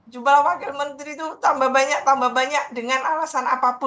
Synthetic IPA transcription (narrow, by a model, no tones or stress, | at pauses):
d͡ʒubalwakɛlmənt̪ɾit̪ut̪ambaɦbaɲak̚t̪ambahbaɲak̚dəŋanalasanapapʊ